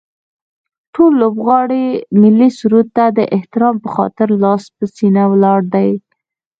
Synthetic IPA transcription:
ʈolːobɣɑɽimɪlːisuɾut̪ːad̪əʔɪht̪ɪɾɑmpəxɑ̰t̪ɪɾlɑspəsinawlɑɽd̪aj

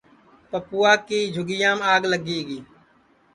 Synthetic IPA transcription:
pəpuːaːkiːd͡ʒʱʊɡɪjãːmaːɡləɡiːɡiː

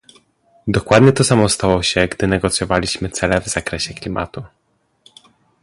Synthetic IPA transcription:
d̪ɔkwad̪ɲɛt̪ɔsamɔst̪awɔɕɛɡd̪ɘnɛɡɔt̪sʲjɔvalʲiɕmɘt̪sɛlɛvz̥akɾɛɕɛklʲima̰t̪u

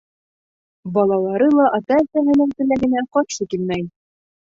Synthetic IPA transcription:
bɑlˠɑlˠɑɾɤlˠɑʔɑt̪ɑsæɦɘ̆nɘ̆ŋt̪ɘ̆læɡɘ̆næqɑt̪ʃɤkilmæj

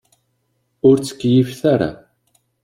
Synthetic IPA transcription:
ʊɾt͡skʲjifθaɾa̰

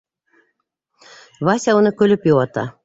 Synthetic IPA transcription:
βɑsʲɑunɤ̆kølʲɘ̆pjowɑt̪ɑ̰

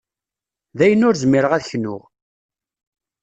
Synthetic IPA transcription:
ðæjənʊɾzmiɾəʁæðçnʊ̰ʁ

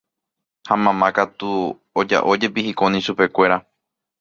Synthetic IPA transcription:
hamãmãkat̪u | od͡ʒa̰ʔo̞d͡ʒe̞pihikonĩʃupe̞kʷe̞ɾa

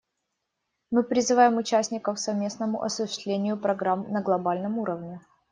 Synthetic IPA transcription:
mɨpɾʲɪzɨvajɪmʊt͡ɕæsʲnʲɪkəfsɐvmʲe̞snəmʊ̰ʔɐsʊɕɪ̥st̪lʲenʲɪjʊpɾɐɡɾamnəɡlˠɐbalʲnəmuɾəvnʲɪ

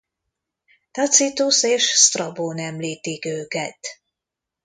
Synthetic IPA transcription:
t̪ɒt̪sit̪useːʃst̪rɒboːnɛmliːt̪ikøːkɛt̪

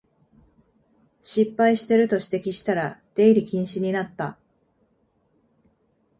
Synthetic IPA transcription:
ɕipːaiɕi̥t̪e̞ɾɯ̟t̪o̞ɕi̥t̪e̞kʲiɕi̥t̪aɾad̪̥e̞iɾʲikʲĩɰ̃ɕiɲ̟inat̪ːa

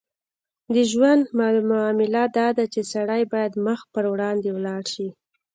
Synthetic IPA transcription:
d̪əʒwand̪mmaɑmɪlad̪ɑd̪at͡ʃesaɽajbɑjad̪məxpəɾwɽɑnd̪ewlɑɽʃi

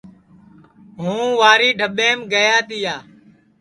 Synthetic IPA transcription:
ɦũːʋaːɾiːɖʱəɓeːmɡəjaːt̪iːaː

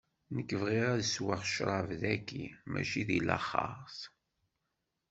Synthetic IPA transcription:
nəkːəvʁiʁaðəswəʁʃɾˤɑvðækːimʔæ̰ʃiðilə̰χːɑ̰ʁθ

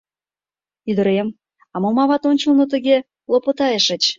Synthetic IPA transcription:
yd̪ə̆ɾem | ɑmomɑβɑt̪onʲt͡ɕəlnot̪əɣe | lopot̪ɑjeʃə̆t͡ɕ

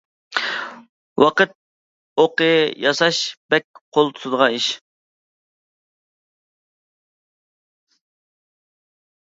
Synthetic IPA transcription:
wɑqət̪̚ | oqəjɑsɑʃbɛk̚ʲqʰolˠt̪ʰu̥sud̪əʁɑiʃ

